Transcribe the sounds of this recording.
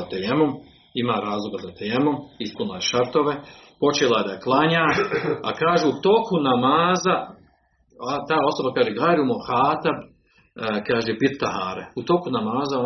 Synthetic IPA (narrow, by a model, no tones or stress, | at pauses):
at̪ejemom | imaːɾaːzlˠoɡazat̪ejemomispunlajeʃaɾt̪o̞ʋe̞po̞t͡ʃeːlˠajed̪aklˠaɲaːa̰kaːʒuut̪o̞ːkunamaːza | at̪aːo̞so̞bakaːʒeɡaːɾumoxaːt̪ab | kaːʒepiɾt̪aɦaːɾeut̪o̞ːkunamaːzao